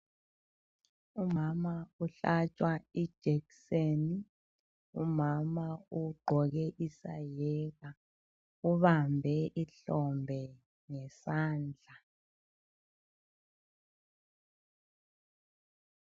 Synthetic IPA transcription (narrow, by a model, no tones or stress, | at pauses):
umamauɬat͡ʃʼwai̥ʒ̥ʱɛkseni | umamauɡ͡ǃʱɔɣɛʔisa̰jɛɣa | uβambʱɛʔiɬɔmbʱɛ | ŋɛsaːnd͡ɮʱa